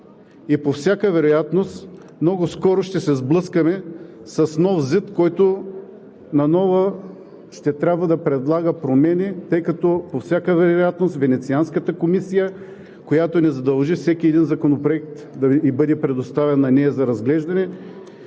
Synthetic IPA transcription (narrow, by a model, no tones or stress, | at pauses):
ipofsʲjakəvɛɾojat̪nost̪ | mnɔɡʊskɔɾoʃt̪ɛsɛzblˠɤskəmɛsɐsnɔfzət̪kɔjt̪o | nɐnɔvə | ʃt̪ɛt̪ɾʲabvɐd̪ɐpɾɛd̪lˠaɡəpɾomɛnit̪ɤjkɐt̪ɔpofsʲakəvɛɾojat̪nost̪vɛnɛt̪sianskət̪əkomisijə | kojat̪onɛzɐd̪ɐlˠʒifsɛkʲiɛd̪inzɐkonopɾoɛk̚t̪ | d̪ɐibɤd̪ɛpɾɛd̪ost̪avɛnːɐnɛɐzɐɾɐzɡlɛʒd̪ɐnɛ